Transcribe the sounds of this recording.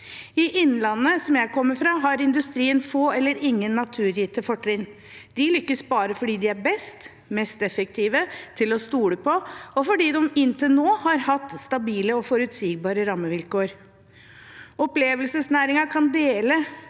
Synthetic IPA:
ɪʔɪnːlɑnːəsɔmjæɪkʰɔmːəfɾɑːɦɑɾɪnd̪ʉst̪ɾiːənfoːɛlːəɾɪŋːənːɑt̪ʰʉːɾjiːt̪əfɔʈːɾɪn | d̪̥ɪlʏkːəsbɑːɾəfɔɖiːd̪ɪæɾbɛst̪ | mɛst̪ɛfək̚t̪ʰiːʋət̪ʰɪlɔst̪uːləpʰɔɔfɔɖiːd̪ɔmɪnːt̪ʰəlnoːhɑɾhɑt̪ːst̪ɑbiːləɔfɔɾʉt̪siːɡbɑːɾəɾɑməʋɪlkoːɾ | ɔpleːʋəlsəsnæːɾɪŋɑkʰɑnd̪eːlə

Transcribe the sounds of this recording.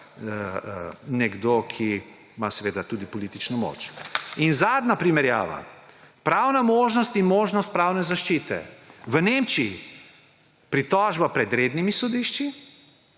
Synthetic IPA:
nɛɡd̪okʰi | masɛʋeːd̪at̪uːd̪ipɔlit̪it͡ʃnɔmo̰t͡ʃinzaːd̪napɾimɛɾja̰ːʋa̰ | pɾawnamoːʒnɔst̪inmoːʒnɔst̪̚pɾawnɛzaʃt͡ʃiːt̪ɛ̰ʋəneːmt͡ʃii | pɾit̪ɔːʒbapɾɛd̪ɾed̪nimisɔd̪iʃt͡ʃi

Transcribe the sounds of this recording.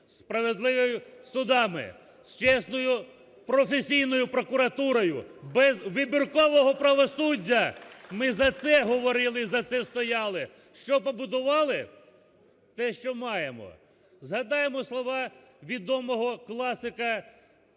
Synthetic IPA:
spɾɐʋed̪lˠɪʋɔjʊsʊd̪ɑmɪ̰ | st͡ʃɛsnɔjʊ | pɾɔfesʲijnɔjʊpɾɔkʊɾɐt̪uɾɔjʊbɛzʋɪbʲɪrkɔʋɔɦɔpɾɐʋɔsudʲːɐmɪzɐt̪sɛɦɔʋɔɾɪlˠɪizɐt̪sɛst̪ɔjɑlˠɪ | ʃt͡ʃɔpɔbʊd̪ʊʋɑlˠɪ | t̪ɛʃt͡ʃɔmɑjemɔ̰ | zɦɐd̪ɑjemɔslˠɔʋɑʋʲid̪ɔmɔɦɔklˠɑsɪkɐ

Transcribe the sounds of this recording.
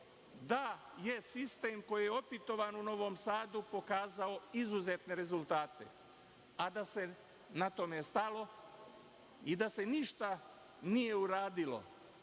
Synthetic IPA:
d̪a | je̞sist̪eːmko̞jijeo̞pit̪o̞ʋanuno̞ʋo̞msaːd̪upo̞kaːzao̞izuze̞t̪ne̞ɾe̞zulˠt̪aːt̪e̞̰ | ad̪ase̞ | nat̪o̞mest̪alo̞ | id̪ase̞niʃt̪a | nije̞uɾaːd̪ilo̞̰

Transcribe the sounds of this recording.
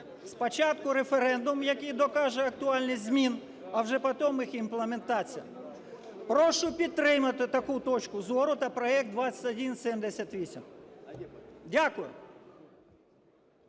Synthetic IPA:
spɔt͡ʃɑt̪kʊɾefeɾɛnd̪ʊmjɐkɪjd̪ɔkɑʒɛɐk̚t̪ʊɑlʲnɪxzʲmʲin | ɐwʒɛpɐt̪ɔmɪximplˠement̪ɑt͡sʲijɐ̰ | pɾɔʃʊpʲid̪̚t̪ɾɪmɐt̪ɪt̪ɐkut̪ɔt͡ʃkʊzɔɾʊt̪ɐpɾɔɛk̚t̪d̪ʋɑt͡sʲɐt̪ʲɐdʲinsʲɛmd̪esʲɐt̪ʲʋʲisʲḭm | dʲakʊjʊ̰

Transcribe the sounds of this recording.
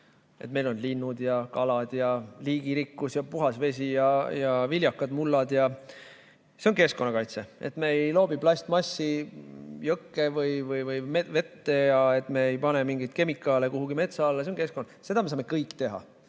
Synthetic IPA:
ḛt̪̚ːˑme̞jlo̞nlinːud̪̥jɑkɑlɑd̪̥jɑliːɡiɾikːusjɑpuɦɑsve̞s̬ʲijɑjɑvilʲjɑkːˑɑd̪̥mulːɑd̪jɑ | se̞o̞nke̞sko̞nːɑkɑjt̪se̞e̞̰t̪me̞ejlo̞ːbib̥lɑsʲt̪mɑsʲːi | jɤkːevɯjvɯjvɯjeve̞t̪ːe̞jɑe̞t̪me̞ejpɑne̞miŋɡit̪̚ke̞mikːˑɑle̞kuɦuɡime̞t̪sɑɑlːɑseonke̞sko̞nːɑse̞d̪ɑmesɑːme̞kɤjkːˑt̪e̞ɦɑ̰

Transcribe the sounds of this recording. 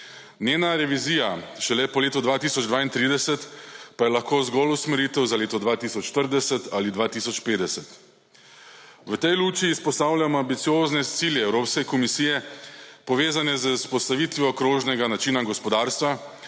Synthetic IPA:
nʲjeːnaɾɛʋiziːjaʃɛlɛpɔleːt̪ɔd̪ʋaːt̪iːsɔd͡ʒd̪ʋaːint̪ɾiːd̪ɛsɛt̪pajɛlaxkoːzɡɔlusmɛɾiːt̪ɛwzaleːt̪ɔd̪ʋaːt̪isɔt͡ʃːt̪əɾd̪ɛsɛt̪alid̪ʋaːt̪isɔt͡ʃpeːd̪ɛsɛt̪ | ʋət̪ɛjluːt͡ʃiːspɔst̪aːwlʲjamambit̪sijoːznɛt̪siljɛɛwɾoːpskɛkɔmisiːjɛpɔʋeːzanɛzəspɔst̪aʋiːt̪ʋjɔkɾoːʒnɛɡanat͡ʃiːnaɡɔspɔd̪aːɾst̪ʋa

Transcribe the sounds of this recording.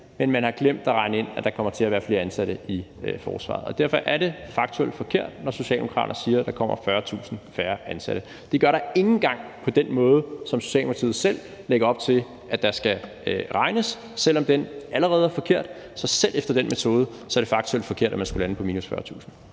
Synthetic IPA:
menmænhɑ̈ɡ̥lem̰d̥æʁɑ̈ɪnəe̝n̰æd̥ɑ̈kʰɒ̽m̰ɐt͡sʰe̝æɐʋæɐfle̝ːɐænsæɾ̥əifɒ̰ːsʋɑ̰̈ð̩ˠɒ̽d̥æɐ̰fɒ̽ʔæɐɾe̝fɑ̈ɡ̥t͡sʰueld̥fɒ̽kʰe̝ɐ̰d̥̚nɒso̝ɕɛ̰ːld̥e̝moɑ̰̈ːɾɐnsiːɐd̥ɑ̈kʰɒ̽m̰ɐfɶːɐt͡sʰṵːsn̩fæːɐænsæ̰ɾ̥ə | d̥e̝ɡ̥ɶɐɾ̥ɑ̈e̝ŋn̩ɡ̥ɑ̈ŋ̰pʰɒ̽d̥enmɔ̽ːð̞ˠəsɒ̽mso̝ɕɛ̰ldempʰt͡sʰiːð̩ˠsel̰ | leɡ̥ɐɒ̽b̥̚t͡sʰe̝l | ʔæd̥ɑ̈sɡ̥æ | ʁɑ̈ɪnəsː | el̰ɒ̽md̥enʔæləʁɛːð̞̩ˠæɐfɒ̽kʰe̝ɐ̰d̥ | sɒ̽selʔefd̥ɐd̥enmet͡sʰo̝ːð̞ˠə | sɒ̽æɐɾ̥e̝fɑ̈ɡ̥̚t͡sʰueld̥fɒ̽kʰe̝ɐ̰d̥æmænsɡ̥ulænəpʰɒ̽miːnusfɶːɐt͡sʰṵːsn̩

